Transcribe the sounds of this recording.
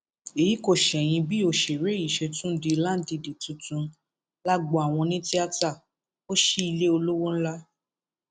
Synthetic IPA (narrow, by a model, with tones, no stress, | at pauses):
e˨ji˨˦ko˦˨ʃɛ˨j̃ĩ˧bi˦o˦˨ʃe˨ɾe˨˦i˦˨ʃe˧tũ˦di˧la˦di˧di˨tũ˨˧tũ˧ | la˦ɡ͡bɔ˧˨a˨w̃ɔ̃˧nĩ˦ti˦a˦˧ta˦˨ | o˦ʃi˦i˧le˦o˧lo˦wo˦n̩˦la˦